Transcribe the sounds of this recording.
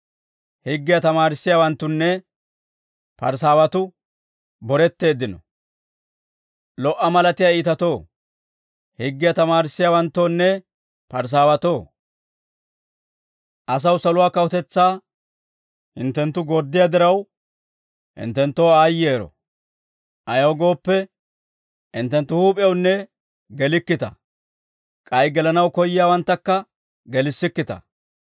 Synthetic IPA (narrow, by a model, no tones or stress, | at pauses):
hɪɡːɪjɐt̪ɐmaːɾɪsːɪjaːwɐnt̪ːʊnːɛ | pɐ̰ɾs̬aːwɐt̪ʊ | bɔɾɛt̪ːe̞ːd̪ɪnɔ | lɔʔːɐmɐlɐt̪ɪjaiːt̪ɐt̪o̞ː | hɪɡːɪjɐt̪ɐmaːɾɪsːɪjaːwɐnt̪ːo̞ːnːɛ | pɐɾs̬aːwɐt̪o̞ː | ʔɐs̬ɐwsɐlʊwaːkɐwɔt̪ɛt͡sːaː | hɪnt̪ːɛnt̪ːʊɡɔɾd̪ːɪjad̪ɪɾɐw | hɪ̰nt̪ːɛnt̪ːoːaːjːeːɾɔ̰ | ʔɐjoːɡo̞ːpːɛ | ɪnt̪ːɛnt̪ːʊhuːpʼɪjɐwnːɛ | ɡɛlɪkːɪt̪ɐ̰ | kʼɐjɡɛlɐnɐwkɔjːɪjaːwɐnt̪ːɐkːɐ | ɡɛlɪsːɪkːɪt̪ɐ̰